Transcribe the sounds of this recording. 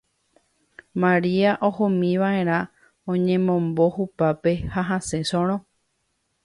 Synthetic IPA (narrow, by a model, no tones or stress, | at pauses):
mãɾiaʔohõmĩʋae̞ɾ̃ã | õɲẽ̞mõ̞mbo̞hupape̞haɦase̞sõɾ̃õ